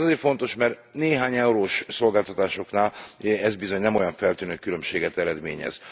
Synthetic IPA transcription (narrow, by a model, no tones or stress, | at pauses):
zeːrfo̞n̪t̪o̞ʃmɛr | neːɦaːɲɛuɾoːʃso̞lɡaːlt̪ɒt̪aːʃo̞knaːlɛzbizo̞ɲnɛmo̞jɒɱfɛlt̪yːnøkːylø̞mʃeːɡɛt̪ɛɾɛd̪mḛːɲɛ̰z̥